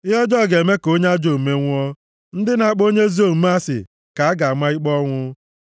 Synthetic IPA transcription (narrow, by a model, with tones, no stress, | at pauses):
ɪ˦ɦɔ˦d͡ʒɔ˦˨ɡe˨me˦ko˦ɲ˦a˦d͡ʒo˨m̩˨me˦ŋʷ˦ɔ˦ | n̩˦dɪ˦na˨˦k͡po˦ɲe˦zi˦o˦˨m̩˦m˦a˦sɪ̰˨ | ka˨a˦ɡa˨a˨ma˦i˦k͡pɔ˦ŋʷʊ˦